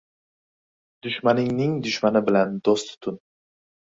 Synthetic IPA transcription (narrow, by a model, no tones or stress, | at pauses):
d̪̥ʊʃmanɪŋnɪŋd̪ʊʃmanɪbɪland̪ost̪ʰʊ̥t̪ʰʊn